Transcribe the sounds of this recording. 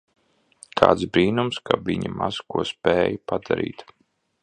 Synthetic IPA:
kʰa̰ːt̪sbɾiːnumskaviɲamaz̥kuɔspɛːjpad̪aɾḭːt̪

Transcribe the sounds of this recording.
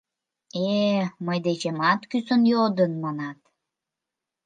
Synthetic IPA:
eməjd̪et͡ɕemɑt̪kysənjod̪ənmɑnɑt̪

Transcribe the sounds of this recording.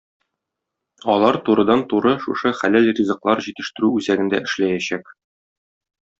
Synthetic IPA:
ɒlˠɑɾt̪uɾɤ̆d̪ɑnt̪uɾɤʃuʃɤχælælrʲizɤ̆qlˠɑɾʑit̪ɘ̆ʃt̪ɘ̆ɾʉʉzæɡɘ̆nd̪æ̰ɘ̆ʃlæjæɕæk

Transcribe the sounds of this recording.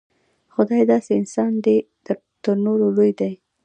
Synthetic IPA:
xʊd̪ɑjd̪ɑseɪnsɑnd̪e | d̪̥ə | t̪əɾnoɾolojd̪aj

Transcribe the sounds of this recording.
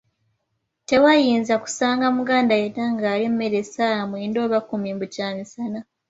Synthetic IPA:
te̞wajiːnzaku̥saːŋɡamuɡaːndajetaŋɡaːlimume̞ɾesamwendo̞ːβakumimbucaːmisana

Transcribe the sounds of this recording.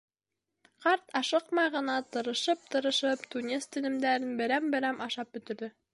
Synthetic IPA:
qɑɾt̪ɑʃɤqmɑjʁɤ̆nɑt̪ɤ̆ɾɤ̆ʃɤp̚t̪ɤ̆ɾɤ̆ʃɤpt̪unʲest̪ɘ̆nɘ̆md̪æɾɘnbɘ̆ɾæmbɘ̆ɾæmʔɑʃɑp̚bɵ̆t̪ɵ̆ɾðɘ

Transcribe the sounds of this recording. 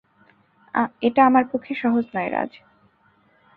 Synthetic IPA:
a̰eʈaamaɾpokʰːeʃɔɦod͡ʑnɔeɾa̰d͡ʑ

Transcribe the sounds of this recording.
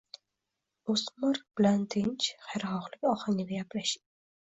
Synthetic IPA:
osmaɾ̚b̥ɪlant̪ʰɪnt͡ʃχajɾχɒʁlˠɪkʲɒhaŋʲɪnɪjaplaʃɪ

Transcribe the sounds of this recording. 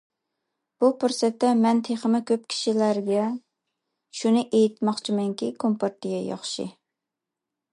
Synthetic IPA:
b̥upʰuɾsɛt̪ːɛmɛnt̪ʰeχəmɪkʲʰøp̚kʲʰi̥ʃilæɾɡʲɛ | ʃunɨʔejit̪mɑχt͡ʃʰimɛŋkʲikʰompʰɑɾt̪ːɪɡʲɛjɑ̰χʃḭ

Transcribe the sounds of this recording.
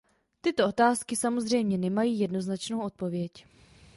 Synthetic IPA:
t̪ɪt̪oʔo̞t̪aːskɪsamo̞zr̝ɛjmɲɛnɛmajiːjɛdno̞znat͡ʃnowʔo̞t̪̚po̞vjɛc

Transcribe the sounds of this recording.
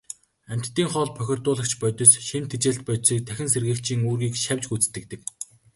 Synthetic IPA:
æm̥ʲt̪ːiːŋχɔɮpʰœxʲɪ̆rt̪ʊːɮə̆kt͡ɕʰpœt̪ʲɞ̆sʃemt̪ʰet͡ɕeːɬt̪̚pœsiːk̚t̪ʰæxʲɪ̆nserɣɘ̆ːkt͡ɕʰiːŋuːrɣiːkʃæwʲt͡ɕɡut͡st̪ɘ̆k̚t̪ɘ̆k

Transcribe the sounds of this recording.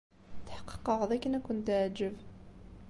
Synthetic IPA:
θħə̥qːə̥qːəʁðˤækənækʷːʊnt̪ʕd͡ʒəv

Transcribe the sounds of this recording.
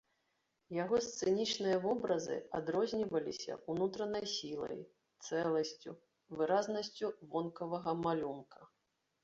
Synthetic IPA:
jaɣɔst̪sɨnʲit͡ʂnɨjɐvɔbɾɐzɨ̰ad̪ɾɔzʲnʲivɐlʲḭsʲɐ̰unut̪ɾɐnɐjsʲilˠɐ̰j | t̪sɛlˠɐsʲt͡sʲu | vɨɾaznɐsʲt͡sʲuvɔnkɐvɐɣɐmalʲunkʰɐ

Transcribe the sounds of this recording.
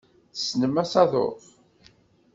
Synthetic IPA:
θə̥snəmæsɑðo̰θ

